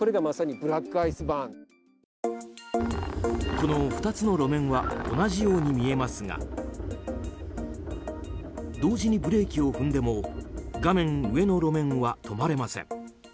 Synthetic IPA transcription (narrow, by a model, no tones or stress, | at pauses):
ko̞ɾe̞ɡamasaɲ̟ibɯ̟ɾakːɯaisɨbãŋ | ko̞no̞ɸɯ̟̥t̪at͡sɨno̞ɾo̞mẽ̞ɰ̃βao̞̰naʑijo̞ːɲ̟imʲie̞masɨŋa̰ | d̪o̞ːʑiɲ̟ibɯ̟ɾe̞ːkʲio̞ɸɯ̟̃nd̪e̞mo̞ɡamẽ̞ŋɯ̟e̞no̞ɾo̞mẽ̞ɰ̃βat̪ʰo̞maɾe̞masẽ̞̰ɴ